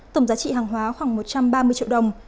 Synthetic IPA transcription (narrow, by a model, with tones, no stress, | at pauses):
t̪ə˧˩ŋ͡mzaː˨˦t͡ɕḭ˧˨ɦaː˨˩ŋɦwaː˨˦xwaː˧˩ŋmo˨˩t̚t͡ɕa˧mɓaː˧mɨ˧ət͡ɕḭ˧˨wɗə˨˩wŋ͡m